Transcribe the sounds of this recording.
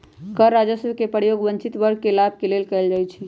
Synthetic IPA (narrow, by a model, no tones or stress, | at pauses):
kəɾːad͡ʒəsəbkepəɾjoɡbə̃nt͡ʃit̪bəɾɡ̚ʱkelab̚ʱkelelkɛɪld͡ʒajt͡ʃʰi